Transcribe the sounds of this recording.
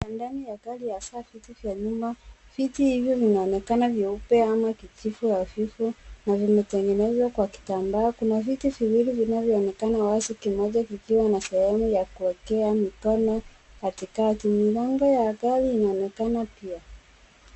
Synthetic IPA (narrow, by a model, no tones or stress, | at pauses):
jandanijakalijasafitivjaɲumafitihivjɔvinaɔnɛkanaviupɛamakit͡ʃifujafifunavimɛtɛŋɡɛnɛzwakwaki̥tambaːkunavitiviwilivinavjɔːnɛkanawasikimɔʄakikiwanasɛhɛmujakuwɛkɛamikɔnɔ | katikatimilɛŋɡɔjakaliːnaɔnɛkanapia